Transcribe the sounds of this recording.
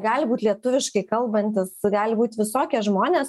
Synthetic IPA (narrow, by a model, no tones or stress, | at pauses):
ɡɑːlʲɪbuːt̪ʲlʲiɛt̪ʊʋʲɪʃkɐɪkɐlˠbɐnʲt̪ʲɪsɡɑːlʲɪbuːt̪ʲʋʲɪsoːkʲɛʒmoːnʲeːs